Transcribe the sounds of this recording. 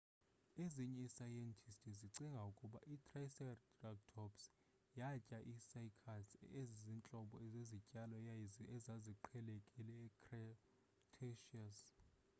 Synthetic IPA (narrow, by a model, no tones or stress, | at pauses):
eziɲɛisajɛntʰistʰʼiziǀiŋɡʱaukʼuɓa̰ʔitʰʼrajsɛrdraɡ̚tʰɔps | jacʼaʔisajkʰasezzint͡ɬʼɔɓɔɛzezicʼalɔɛzaziǃʰɛlekʼilɛːkrɛ | tʰeʃias